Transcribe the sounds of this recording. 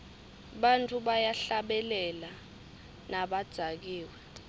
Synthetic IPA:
ɓantʼuɓajaɬaɓɛlɛla | naɓad̥z̥ʱak̬iːwɛ

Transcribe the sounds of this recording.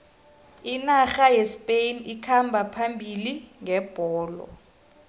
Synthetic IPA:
inaxajɛspʼejnikʰambʱapʰambʱiliŋʱɛb̥ʱɔːlɔ̰

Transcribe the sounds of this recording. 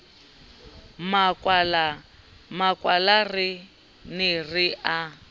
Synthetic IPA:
makwl | makwalarɪ | nɪrɪʔa

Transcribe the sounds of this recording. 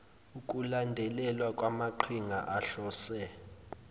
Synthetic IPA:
uk̬ʼulandʱɛlɛlwakʼwamaǃʰiŋʱaʔaɬɔːsɛ

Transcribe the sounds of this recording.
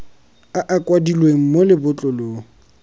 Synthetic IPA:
aʔakʼwadilweŋ̩molɪbʊt͡ɬʼɔloː

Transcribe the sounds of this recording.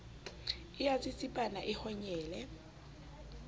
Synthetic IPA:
ɪjat͡sʼɪt͡sʼipʼanaʔɪhɔɲɛːlɛ

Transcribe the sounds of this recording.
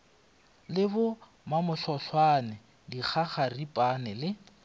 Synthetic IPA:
lɪbʊ | mamʊɬɔɬwanɪ | dik͡xʰaχaripʼanɛlɪ

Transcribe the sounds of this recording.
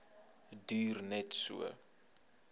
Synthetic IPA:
dirnɛtsṵə̰

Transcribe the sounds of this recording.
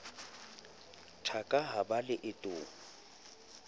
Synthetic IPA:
tʰakʼaɦabalɪʔɪtʼʊːŋ̩

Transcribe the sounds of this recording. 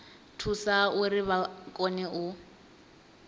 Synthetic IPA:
tʰusaʊrɪβakʼɔnɛʊ

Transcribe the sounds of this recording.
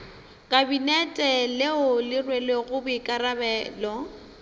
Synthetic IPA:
kʼabinɛtʼɛleʊlɪrweleɣʊbɪkʼarabɛːlɔ

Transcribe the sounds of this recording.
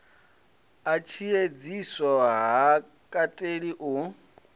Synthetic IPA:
at͡ʃʰied͡zisɔɦa | kʼatʼeɺiʔʊ

